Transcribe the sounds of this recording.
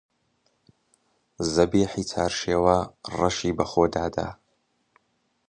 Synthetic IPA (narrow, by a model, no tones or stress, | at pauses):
zabiħit͡sʰarʂawaraʂibaχodʕada̰